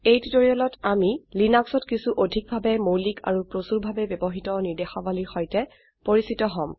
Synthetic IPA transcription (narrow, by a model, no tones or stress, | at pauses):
ejtudoɹiɔlɔtamilinaksɔtkisuʔodʱik̚bʱabɛmowlikʰa̰ɹupɹosuɹbʱabɛbjɔbɔɦitɔniɹdexɔbaliɹxɔjtɛ | poɹisitɔɦɔ̃m